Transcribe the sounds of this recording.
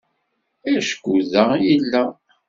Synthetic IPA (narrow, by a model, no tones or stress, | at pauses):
æʃə̥kʷːuðæjilːæ